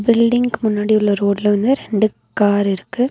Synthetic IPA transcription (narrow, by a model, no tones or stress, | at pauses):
bɪlɖɪŋɡkmʊnːaːɽiʊɭːɐɾoːɽɪlɐʋɐnd̪ɯɾɛɳɖɯ | kaːɾɪɾɯkːɯ